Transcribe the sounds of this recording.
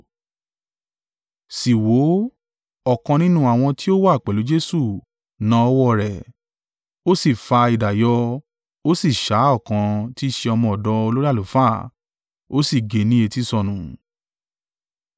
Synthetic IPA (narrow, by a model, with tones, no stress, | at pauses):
si˨wo˨˦ | ɔ˦˨kã˧nĩ˦nũ˦a˨w̃ɔ̃˧ti˦o˦wa˦˨k͡pɛ˨lu˨˦d͡ʒe˦su˦˨ | nã˦ɔ˧˦wɔ˦˨ɾɛ˨ | o˦si˦˨fa˧i˨da˨jɔ˧ | o˦si˦˨ʃa˨˦ɔ˦˨kã˧ti˦ʃe˧ɔ˧mɔ̃˧ɔ˨dɔ˨˧o˧lo˦ɾi˦a˦˨o˨˦fa˦˨ | o˦si˦˨ɡe˨˦nĩ˦e˧ti˦sɔ˧˨nũ˨